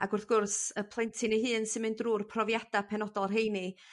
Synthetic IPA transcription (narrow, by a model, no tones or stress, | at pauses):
aɡʊrθɡ̥ʊrsəpʰlˠɛjntʰɪneɦɨːnsɨmɨndruːrpʰrɔvjad̥apʰɛnɔdɔlˠɦejni